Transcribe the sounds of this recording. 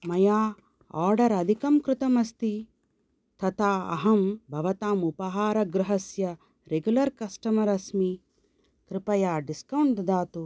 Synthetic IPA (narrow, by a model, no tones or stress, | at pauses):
mɐjaː | aːɾɖɐɾɐd̪ʱikɐmkɾɪt̪ɐmɐst̪i | t̪ʰɐt̪ʰaːɐ̰ɦɐmbʱɐʋɐt̪aːmupɐɦaːɾɐɡɾɪɦɐsjɐ | ɾeɡjulɐɾkɐsʈɐmɐɾɐsmi | kɾɪpɐjaːɖiskɐwɳʈd̪aːt̪u